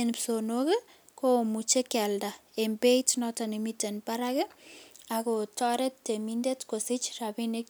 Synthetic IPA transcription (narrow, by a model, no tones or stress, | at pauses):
enpsonokɛ | komut͡ʃekalda | embejtnɔtanimitenpaɾakɪakotɔɾettːemindetkosɪt͡ʃrabinɪk̚